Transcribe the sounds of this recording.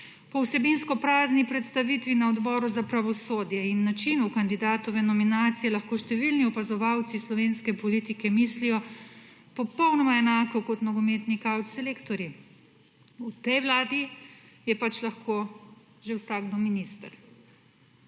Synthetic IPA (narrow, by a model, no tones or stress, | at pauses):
pɔwsɛbinskɔpɾaːznipɾɛt̪st̪aʋit̪ʋinaɔd̪bɔːɾuzapɾaʋɔsoːd̪jɛinːat͡ʃinukand̪id̪aːt̪ɔʋɛnɔminaːt̪sijɛlɐxkoːʃt̪ɛʋilniɔpazɔʋawt̪sislɔʋeːnskɛpɔlit̪ikɛmislijɔ | pɔpɔwnɔmaɛnaːkɔkɔt̪nɐɡɔmeːt̪nikawt̪sɛlekt̪ɔɾji | ut̪ɛjʋlaːd̪i | jɛpat͡ʃlaxkoː | ʒɛwsaːɡd̪ɔminist̪əɾ